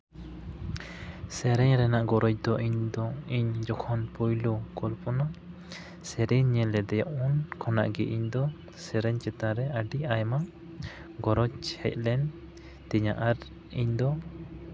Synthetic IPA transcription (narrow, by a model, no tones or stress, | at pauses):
sɛɾɛɲɾɛnaʔɡɔɾɔt͡ʃ̚d̪ɔʔiɲd̪ɔiɲd͡ʒɔkʰɔnpɔjlɔkɔlpɔna | sɛɾɛɲɲɛlɛd̪ɛjaʔunkʰɔna̰ʔɡɛʔiɲd̪ɔ | sɛɾɛɲt͡ʃɛt̪aɾɛʔaɖiajma | ɡɔɾɔt͡ʃhɛc̚lɛn | t̪ɛɲa̰ʔaɾ | iɲd̪ɔ